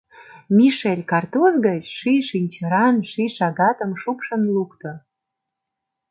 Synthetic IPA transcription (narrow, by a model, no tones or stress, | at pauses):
mʲiʃelʲkɑrt̪ozɡət͡ɕʃiʃinʲt͡ɕəɾɑnʃiʃɑɡɑt̪ə̆mʃupʃə̆nlukt̪ŏ